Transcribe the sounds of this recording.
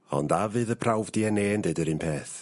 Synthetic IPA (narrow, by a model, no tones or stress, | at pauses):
ɔ̰ndavɨːðəpʰrawvdiɛneːndɨdəɾɨnpʰeːθ